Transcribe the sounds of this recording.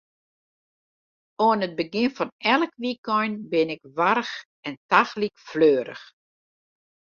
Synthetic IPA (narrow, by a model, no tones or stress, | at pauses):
oənət̚bəɡɪnfɔnɛlˠəkʋikɔjnbɪnɪkʋarx | ɛntaxlikfløːɾə̰x